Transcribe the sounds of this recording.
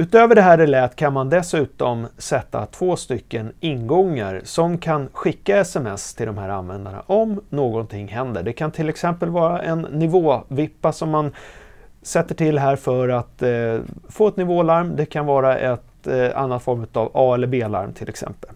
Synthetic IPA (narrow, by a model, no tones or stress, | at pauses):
ʉ̟ːt̪øːvəɖɛɦæːɾɛlɛːt̪ːkʰanmand̪ɛsʉ̟ːt̪ɔmsɛt̪ːa̰t̪ʰvoːst̪ʏkːənɪnɡɔŋːaɾsɔmkʰanɧɪkːaɛsɛmɛst̪ʰɪld̪ɔmhæːɾa̰nvɛnd̪ana̰ʔɔmnoːɡɔnt̪ʰɪŋːhɛnd̪ə̰ɖɛkʰant̪ʰɪlɛksɛmpəlvɑːɾaʔɛnːɪvoːvɪpːasɔmːan | sɛt̪ːəʈʰɪlɦæːɾfœɾat̪ | foːɛt̪nɪvoːlaɾmd̪ɛkʰanvɑːɾaʔɛt̪a̰nːat̪fɔɾmʉ̟ːt̪avɑːɛlːəbeːla̰ɾmt̪ʰɪlʔɛ̰ksɛ̰mpəl